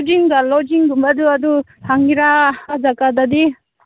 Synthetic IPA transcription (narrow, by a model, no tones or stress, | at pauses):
d͡ʒiŋɡalɔd͡ʒiŋɡumbɐd̪uɐd̪u | haŋɡiɾad͡ʒakad̪ad̪i